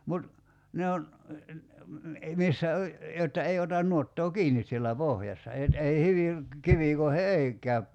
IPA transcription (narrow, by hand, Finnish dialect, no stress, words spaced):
mut ne on misːæ o jotːɑ ei otɑn nuotːoː kiːnis sielːæ pohjɑsːɑ et ei hyʋiŋ kiʋiˑkoihe ei kæyp